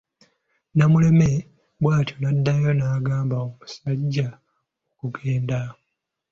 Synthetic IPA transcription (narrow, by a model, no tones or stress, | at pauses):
namule̞me̞ | bwaːtʰjonadːajo̞naːɡaːmbaomusaɟːa | okuɡe̞ːnda